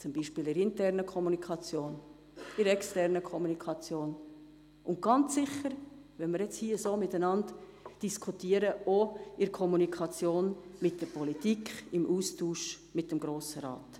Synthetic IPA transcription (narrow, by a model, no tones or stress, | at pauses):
t͡sʊmbiːʃpɪːlɪɾɪntɛɾnəkʰɔmunikʰɑt͡sjoːn | ɪɾɛkstɛɾnəkʰɔmunikʰɑt͡sjoːn | ʊnt̚ɡ̥ɑnt͡sːɪχəɾ | ʋɛməɾjɛt͡shiːəsoːmɪtænɑnt | d̥iskʰutiːəɾəoɪɾkʰɔmunikʰɑt͡sjoːnmɪt̚d̥əɾpɔlitikʰɪmʔuːstuːʃ | mɪt̚d̥ɛmɡɾoːsəɾɑ̰ːt